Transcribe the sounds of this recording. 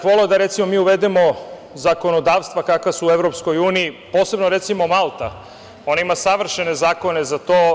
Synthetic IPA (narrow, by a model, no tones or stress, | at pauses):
ʋoleod̪aɾe̞t̪simo̞miːuʋe̞d̪emo̞ | zako̞no̞d̪aːʋst̪ʋakakʋasuːevɾo̞psko̞juːniːpo̞ːse̞bno̞ɾe̞t̪simomalˠt̪a | o̞naimasaʋr̩ʃe̞ne̞zaːko̞ne̞zat̪oː